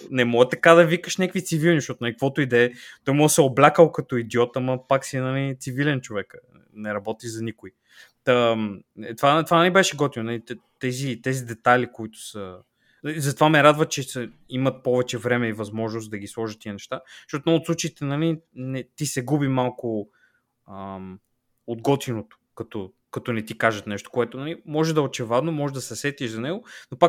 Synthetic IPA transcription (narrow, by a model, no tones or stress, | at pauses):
nɛmɔɡət̪ɐkad̪ɐvikəʃnʲakvit̪sivilˠniʃtɔt̪ʊnɐlik̚əkvɔt̪ʊid̪ɛt̪ɔjmɔɡəsɛoblʲakəlˠkɐt̪ɔid̪iɔt̪ɐmɐpaksinɐlit̪sivilɛnt͡ʃovɛk | nɛɾɐbɔt̪iʒzɐnikʊi | t̪əɛt̪vat̪vanɐlibɛʃɛɡɔt̪ivnɐlit̪t̪ɛzit̪ɛzid̪ɛt̪alʲikoit̪ʊ̥sə | izɐt̪ovamɛɾad̪vɐt̪t͡ʃɛsɐ | imɐt̪̚pɔvɛt͡ʃɛvɾɛmɛivɐzmɔʒnosd̪ɐɡʲislˠɔʒət̪t̪ːiənɛʃt̪aʃt̪ɔt̪noot̪sˠut͡ʃɐit̪ɛnɐlinɛt̪isɛɡubimalˠkʊ | ə | od̪ɡɔt̪inot̪o̥kɐt̪ɔ | kɐt̪ɔnɛt̪ikaʒɐt̪nɛʃt̪o̥koɛt̪onɐlimɔʒɛd̪ɐot͡ʃɛvad̪nomɔʒɛd̪ɐsɛsɛt̪iʃzɐnɛɡonopak